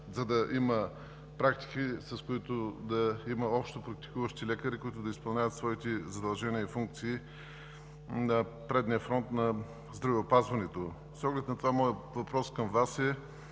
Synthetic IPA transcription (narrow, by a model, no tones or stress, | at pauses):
zɐd̪ɐʔimə | pɾakt̪i̥kisɐskoit̪od̪ɐimɐɔpʃt̪opɾɐk̚t̪i̥kuvəʃt̪ilɛkəɾikʊit̪ʊd̪ɐispɐlˠnʲavət̪svɔit̪ɛzɐd̪ɐlˠʒɛniəifuŋk̚t̪siː | nɐ | pɾɛd̪niəfɾɔnt̪nɐ | zd̪ɾɐvɛopazvɐnɛt̪o | sɔɡlɛt̪nɐt̪ovamɔjəvɐpɾɔskɐmvasɛ